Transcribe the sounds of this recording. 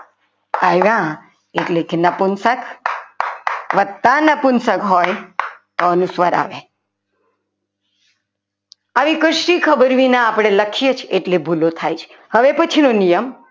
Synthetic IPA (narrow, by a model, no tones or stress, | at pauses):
ajʋã | eʈlekenəpunsək | ʋətt̪ːanəpunsəkɦojt̪oənusʋəɾa̰ʋe | aʋikəʃɾikʰəbəɾʋinãːpɽ̃eləkʰijet͡ʃʰeeʈlebʱulot̪ʰajt͡ʃʰe̥ | həʋepət͡ʃʰinonijəm